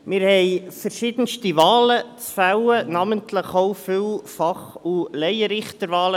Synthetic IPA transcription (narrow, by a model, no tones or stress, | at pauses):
mɪːɾhɛɪfəɾʃɪd̥̪ənstivɑːlət͡sfæwənɑməntləχoʊfɪlfɑχulɛjəɾɪχt̪əɾvɑːlə